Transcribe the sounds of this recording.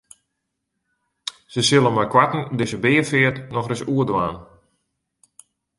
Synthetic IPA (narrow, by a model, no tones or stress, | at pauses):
səsɪlˠəmakwatn̩døsəbɪːəfɪətnɔxrɪsuədwa̰ːn